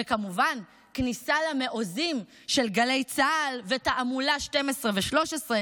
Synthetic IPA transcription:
ekamuvan | knisalame̞ʔo̞zim | ʃe̞lɡale̞jt͡saːlvetaʔamulaʃte̞mesʁeveʃlo̞ʃesʁe

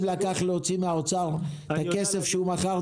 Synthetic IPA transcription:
vleakaχleot͡simeaot͡saʁ | t̪ake̞se̞fʃeumaχaʁ

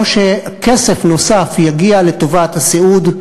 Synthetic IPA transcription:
ʃekese̞fno̞safjaɡiale̞t̪o̞vat̪haseud

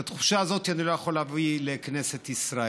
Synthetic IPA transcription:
at̪χu̥ʃaːzo̞t̪ianilo̞jaχo̞lavilekne̞se̞t̪isɾa

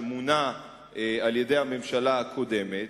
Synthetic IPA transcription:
muna | ealje̞de̞jhame̞mʃalaakʰo̞de̞met

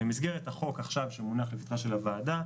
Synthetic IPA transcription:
emizɡeʁet̪haχo̞kaχʃavʃemunaχlefit̪χaʃe̞lavaːda

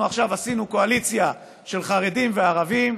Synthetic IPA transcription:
uaχʃavasinuko̞alit͡sja | ʃe̞lχaʁe̞dimveaʁavim

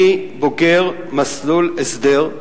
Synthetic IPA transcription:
ibokeʁ | maslulesd̪eʁ

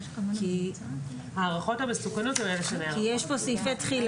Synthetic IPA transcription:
ki | haːʁaχo̞tamesukanotɛmeleʃeneakijeʃpo̞sifet̪χil

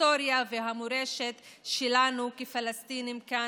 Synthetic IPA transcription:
oɾjaveɦamoɾeʃet̪ʃelanukifalast̪inimka

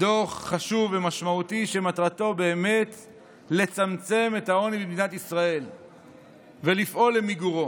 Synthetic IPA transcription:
d̪o̞χːaʃuvemaʃmaut̪iʃemat̪ʁat̪o̞be̞ːme̞t̪ | le̞t͡samt͡se̞me̞tao̞nibimd̪inatisʁae̞l | velifʔo̞lːemiɡuʁo̞

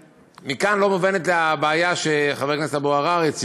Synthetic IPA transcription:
mikanlo̞movenet̪leabeːjaʃeχave̞kneset̪aboaʁaʁet͡s

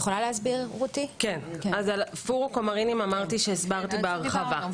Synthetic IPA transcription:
χolalehasbiʁot̪ikenazalfuʁukomaʁinimamaʁt̪iʃeːsbaʁt̪ibeaʁχava

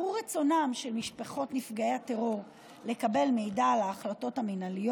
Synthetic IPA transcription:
uʁet͡so̞namʃelmiʃpaχo̞tnifɡaehateʁo̞ʁ | le̞kabe̞lme̞jdalaːχlato̞taminalijo

